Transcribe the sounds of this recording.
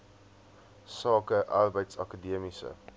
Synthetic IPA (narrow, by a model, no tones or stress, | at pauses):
sɑːkəʔɑrbəjtsɑ̰kədiəmisə̰